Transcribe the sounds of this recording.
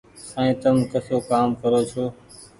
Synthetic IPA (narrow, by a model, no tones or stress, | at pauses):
sãːẽːt̪əmkəsoːkaːmkəɾoːt͡ʃʰoː